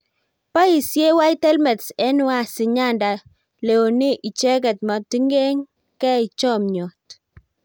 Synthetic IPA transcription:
pa˦i˨sje˦wa˦i˦tɛ˦lmɛ˨tsɛ˦nʊ˦a˨si˨ɲa˦˨nda˨ | le˨o˨ni˦ʔi˨t͡ʃɛ˦kɛ˨t̚ma˨ti˦ŋɡe˦ŋ | kɛ˦i˨t͡ʃɔ˦˨mɲɔ˨t

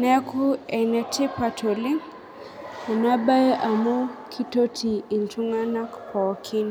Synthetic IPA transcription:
nɛ˦kʰu˦ɛ˨nɛ˨te˦pa˨tʰo˨li˦ŋ | ɛ˨na˦ba˦ʔa˨mo˦kʰi˦to˦tʰi˨i˨nt͡ʃu˦ŋa˦na˦kpɔ˨kʰi˦n

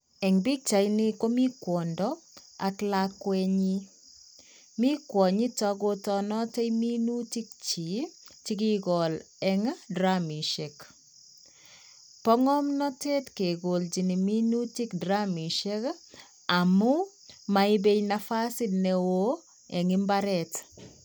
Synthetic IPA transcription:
ɛ˨ŋbi˦k̚t͡ʃa˨jnɪ˦ko˦mi˦kwɔ˨ndɔa˨klakwɛɲi˦ | mi˦kwɔ˨ɲi˦tɔ˧ɡo˦tɔ˨nɔ˦tɛ˦jmi˦nu˦ti˦k̚t͡ʃi˨ti˦ki˦ɡɔ˨l | ɛŋdɾami˨ʃe˨k | pɔ˦ŋɔ˦mnɔ˦te˦tke˨ɡo˨ld͡ʒi˨ni˨mi˦nu˦ti˦kdɾami˨ʃe˦k | a˨mʊ˦ | mai˦be˦jnafa˦si˦dnɛwo˦ | ɛ˨ŋɪ˦mbaɾɛt

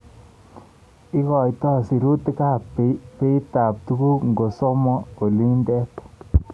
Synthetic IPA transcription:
i˦kɔ˨jt̪ɔ˦˨si˨ɾu˦t̪e˦ka˦pe˨pe˦i˦ta˨p̚t̪u˧ku˦kŋɡo˨so˦mɔ˦o˨li˦ndɛ˦t

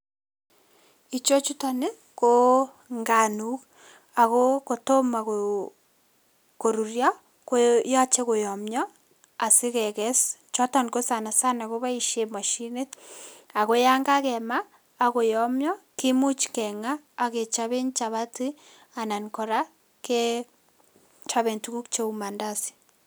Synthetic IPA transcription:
i˨t͡ʃo˦t͡ʃu˦ta˨ne˦ | ko˦ | ŋɡa˨nu˦k | a˨ɣo˦ko˨to˦ma˨ko | ko˨ɾu˨ɾja˦ | ko˦ja˦t͡ʃe˦ko˨jɔ˨mjɔ˦ | a˨si˦kɛ˨kɛ˦st͡ʃɔ˦ta˨nko˦sa˨na˨sa˦na˨ɣo˦βa˦i˨ʃe˦mwa˨ʃi˦ne˦t̚a˨ɣo˦ja˦ŋɡa˦kɛ˨maː˦˨ | ko˨jɔ˨˦mjɔ˦ki˦mu˦t͡ʃkɛ˨ŋaː˦˨ke˨t͡ʃa˦βe˦nt͡ʃa˨βa˦ti˦ | a˨na˨nko˨ɾa˦ | ke˦ | t͡ʃa˦βe˨ntuku˦kt͡ʃe˦u˦ma˨nda˦˨si̥˦

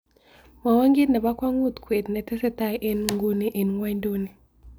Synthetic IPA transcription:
ma˨wa˦ŋɡi˦nɛ˨ba˦kwa˦ŋu˦˨t̪kwe˨d̪nɛ˨tɛ˦sɛ˦ta˦˨jʔe˦nŋɡu˦ni˦ʔe˨nŋwa˦ndu˦ni˨

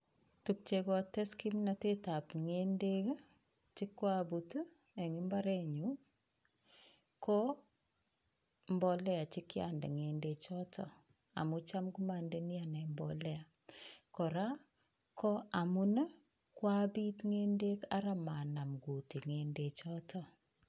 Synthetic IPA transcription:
tu˨k̚t͡ʃe˨kɔ˨tɛ˦ski˦mnate˦ta˨pŋende˦k | t͡ʃɪ˦kːwabutu˦ | ɛ˨ŋɪ˦mba˦ɾɛ˦ɲu˦ | kɔ˦ | mbɔ˨lɛ˦a˨t͡ʃɪ˦kja̰nde˨ŋe˨ndet͡ʃɔtɔ | a̰˨mu˦t͡ʃa˦mku˦ma˨nde˦ni˦a˨nɛ˨mbɔlɛ˦a˨ | kɔ˨ɾa˦ | kʰɔ˦a˨mu˦n˦ | kwa˦bi˦tŋe˦nde˦ka˦ɾa˦ma˨na˨mɡu˨ti˨ŋe˨nde˨t͡ʃɔ˦tʰɔ˨

